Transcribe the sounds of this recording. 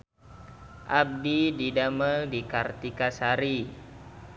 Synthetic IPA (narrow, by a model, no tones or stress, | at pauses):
ʔab̚dididaməldikart̪ikasaɾi